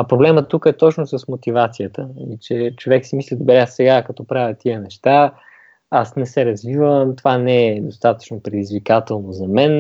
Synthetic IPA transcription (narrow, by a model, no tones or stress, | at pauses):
ɐpɾoblɛmət̪ːukəɛt̪ɔt͡ʃnosəsmot̪ivat̪sijət̪əɐmit͡ʃɛt͡ʃovɛksimislʲid̪obɛɾɛassɛɡakɐt̪ɔpɾavʲətt̪ːiənɛʃt̪a | asnɛsɛɾɐzvivəmt̪ovanɛːd̪ost̪at̪ə̥t͡ʃnopɾɛd̪izvikat̪ɛlˠnozɐmɛn